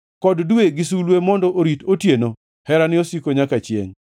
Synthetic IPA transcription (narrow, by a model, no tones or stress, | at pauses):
kɔddueɡɪsulwemɔndɔʔoɾitotjeno | hɛɾanɪosikoɲakat͡ʃjḛŋ